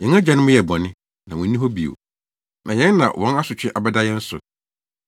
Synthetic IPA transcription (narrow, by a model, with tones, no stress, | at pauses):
jɛ˨˦a˦d͡ʑa˨nɪ̃˦mʊ̃˦jɛ˨bɔ˨nɪ̃˦ | nã˨wʊ̃˨˦nĩ˦ɦɔ˦bi˨o̰˨ | nʔã˨jɛ̃˦nː˦ã̰˨wʔɔ̰̃˨˦na˦sʊ˨t͡ɕᶣɪ̃˦ʔa˨bɛ˦da˦jɛ̃˦n̩˦sʊ̰˨